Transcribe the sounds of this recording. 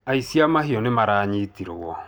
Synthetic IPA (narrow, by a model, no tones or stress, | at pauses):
aisiamaɦiɔnemaɾaːɲiːtiɾoɔ